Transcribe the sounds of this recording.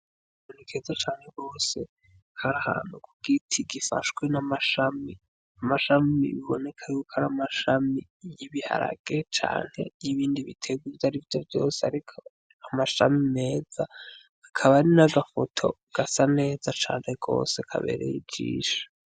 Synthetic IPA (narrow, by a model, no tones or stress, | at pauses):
onikʰezat͡ʃaːŋ̥he̞ɡo̞ːse̞ | hʰaɾaha̰ːn̥hukʰuɡ̥itʰiɡifa̰ʃwe̞namaʃami | amaʃamḭβiβo̞ne̞kʰajukʰaɾamaʃami | jiβiha̰ɾa̰ɡ̥e̞t͡ʃa̰ːŋ̥he̞̰jiβiːndiβitʰe̞ɡwivaɾivjovjo̞̰ːseaɾikʰo | amaʃamime̞ːz̥aː | kʰaβaɾinaɡafo̞tʰo̞̰ | ɡ̥asane̞ːzat͡ʃa̰ːn̥he̞ɡo̞̰ːse̞kʰa̰βe̞̰ːɾḛjid͡ʒḭːʃḁ